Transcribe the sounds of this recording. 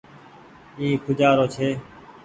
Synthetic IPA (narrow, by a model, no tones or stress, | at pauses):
iːkʰʊd͡ʒaːɾoːt͡ʃʰeː